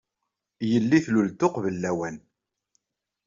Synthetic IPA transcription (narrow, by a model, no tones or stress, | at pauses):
jəlːiθlult̪ʊqvəlːæwæn